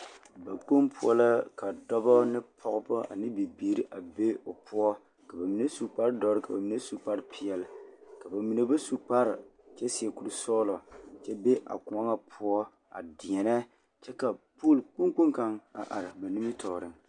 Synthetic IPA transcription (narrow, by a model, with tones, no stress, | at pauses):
ba˨k͡po˦mpʰʊ˦ɔ̰˦la˦ka˨dɔ˦bɔ˦nɪ˦pʰɔ˦ɣʊ˦bʊ˦a̰˨nɪ˦bi˨biː˨ɾi˦ʔa˨be˦o˨pʊ˦ɔ˦ | ka˨ba˨mi˨ne˦su˨k͡pa˦ɾdɔ˦ɾɨ˦ka˨ba˨mi˦ne˦su˦k͡pa˦ɾɪ˦pʰi˨ɛ˨lka˨ba˨mi˨ne˦ba˦su˦k͡pa˦ɾɪ˨ | t͡ʃɛ˦si˨ɛ˨ku˨lu˨sɔː˦lɔ˨t͡ʃɛ˦be˦ʔa̰˨kʊ˨a˦ŋa˦pʰʊ˦ɔ˦ | a̰˨dɪ˨ɛ˨nɛ˦ | t͡ʃɛ˦ka˨poː˦˨lk͡pu˦ŋk͡pu˦ŋka˦ŋa̰˨ʔa˨ɾɪ˨ba˨ni˦mi˦tʰɔː˨ɾɪ˦ŋ